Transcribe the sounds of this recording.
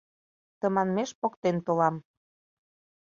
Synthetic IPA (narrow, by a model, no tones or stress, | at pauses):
t̪ə̆mɑnmeʃpokt̪ent̪olɑm